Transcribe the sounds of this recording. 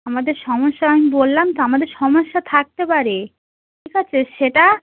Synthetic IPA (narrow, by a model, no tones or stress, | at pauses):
amad̪eɾʃɔmoʃːaamibolːamt̪oamad̪eɾʃɔmoʃːat̪ʰak̚t̪epaɾe | ʈʈʰikat͡ɕʰeʃeʈa